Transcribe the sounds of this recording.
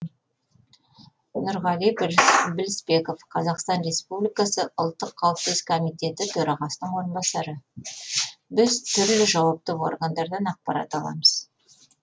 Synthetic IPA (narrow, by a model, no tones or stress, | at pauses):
ʊnʊɾʁɑlijbɪlɪspe̞ko̞fqʰɑzɑqst̪ɑnɾe̞spublijkɑsəʔəlˠt̪ːəqʰːɑwəpsəz̥kʰomijt̪ʲe̞t̪ɪt̪ʰɵɾɑʁɑsənəɴwo̞ɾənbɑsɑɾə | bɪzt̪ʰʏɾlɪʒɑwɑp̚t̪əwo̞̰rɡand̪ɑɾd̪ɑnɑq̚pɑɾɑ̰t̪ɑlˠɑ̰məz̥